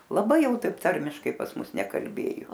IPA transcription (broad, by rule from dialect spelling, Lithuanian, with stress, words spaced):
lˠɐˈbɐɪ ˈjɛʊ ˈtɐɪp ˈtɐrʲmʲɪʃkɐɪ pɐs ˈmʊs nʲɛkɐlʲˈbʲeːjʊ